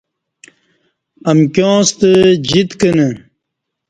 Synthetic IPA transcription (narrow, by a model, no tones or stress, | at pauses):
ɐmkjõːst̪əd͡ʑit̪kəne